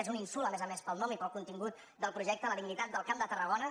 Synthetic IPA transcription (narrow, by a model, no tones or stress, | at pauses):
ezuninsuləmɛzəmespəlˠnɔmipəlˠkunt̪iŋɡut̪ | d̪əlˠpɾuʒɛk̚t̪əələðiɡnit̪at̪̚d̪əlˠkamd̪ət̪ərəɣonə